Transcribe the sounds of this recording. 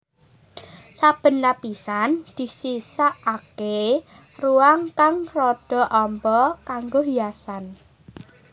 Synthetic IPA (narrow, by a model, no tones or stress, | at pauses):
sab̥ə̤nːapisand̪̥i̤sisaʔːke | ruaŋkaŋrɔɖ̥ɔ̤ʔɔmbɔkaŋɡoɦiasan